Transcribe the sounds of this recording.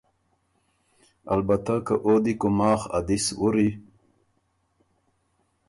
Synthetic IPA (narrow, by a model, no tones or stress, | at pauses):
a̰lbat̪akaʔod̪ikomaːχa̰d̪iswuɾi